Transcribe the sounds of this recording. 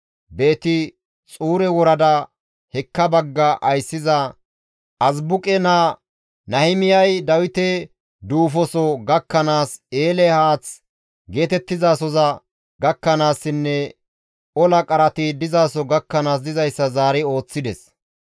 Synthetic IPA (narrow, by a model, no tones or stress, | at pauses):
be̞ːt̪ɪ | t͡sʼuːɾɛwɔɾɐd̪ɐ | hɛkːɐbɐɡːɐʔɐjsːɪzɐ | ʔɐzbʊkʼɛna | nɐhɪmɪjɐjd̪ɐwɪt̪ɛ | d̪uːfɔsɔɡɐkːɐnaːse̞ːlɛhaːt͡s | ɡe̞ːt̪ɛt̪ːɪzaːsɔzɐ | ɡɐkːɐnaːsːɪnːɛ | ɔlɐkʼɐɾɐt̪ɪd̪ɪzaːsɔɡɐkːɐnaːs̬d̪ɪzɐjsːɐzaːɾɪo̞ːt͡sːɪd̪ɛs